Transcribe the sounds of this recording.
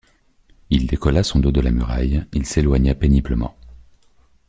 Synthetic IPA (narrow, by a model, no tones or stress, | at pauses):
ild̪ekɔlasɔ̃d̪od̪əlamyʁa̰jilselwaɲapenibləmɑ̰̃